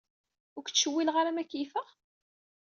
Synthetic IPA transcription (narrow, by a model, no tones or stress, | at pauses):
ʊɾkt͡sːʃəwːilʁaɾamækːifəʁ